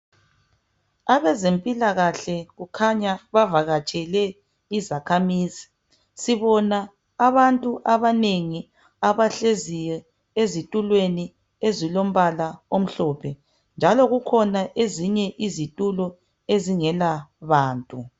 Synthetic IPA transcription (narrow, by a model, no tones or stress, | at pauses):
aβɛzempʼilaɣaɬɛɣukʰaɲaβavaɣat͡ʃʼɛlɛ | izakʰamiːzi | siβɔna | aβantʼuʔaβaneŋi | aβaɬezijɛ | ezitʼulweni | ezilom̩βalaom̩ɬɔːpʰɛ | nd͡ʒʱalɔɣukʰɔnaʔeziɲɛʔizitʼulɔ | eziŋɛlaβaːntʼu